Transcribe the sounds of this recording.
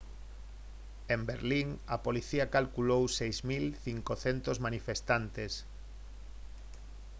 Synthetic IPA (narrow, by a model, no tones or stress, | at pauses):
embeɾliŋɐpoliθiakalkulowsejzmilθiŋkoθent̪ozmanifest̪ant̪es